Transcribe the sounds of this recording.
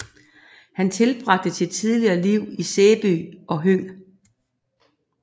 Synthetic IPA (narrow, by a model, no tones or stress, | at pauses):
hænt͡sʰe̝lb̥ʁɑ̈ɡ̥̚d̥əsid̥̚t͡sʰiðˠliɐːliʊ̰iseːb̥y̰ːɒ̽ɦø̰ː